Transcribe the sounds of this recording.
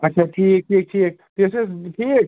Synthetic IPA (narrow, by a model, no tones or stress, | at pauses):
ɐtːʃʰaʈʰiːk̚ʈʰiːk̚ʈʰik̚pesesʈʰiːk̚